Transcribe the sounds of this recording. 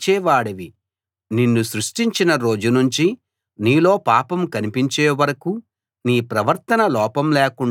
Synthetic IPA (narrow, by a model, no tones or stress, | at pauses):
t͡ʃɛːʋaːɽɐʋi | ninːusɾuʂʈiɲt͡ʃinɐɾo̞ːd͡ʒunuɲt͡ʃi | niːlo̞ːpaːpɐmkɐnipiɲt͡ʃeːʋɐɾɐku | niːpɾɐʋɐɾt̪ɐnɐlɔːpɐmlɛːkuɳ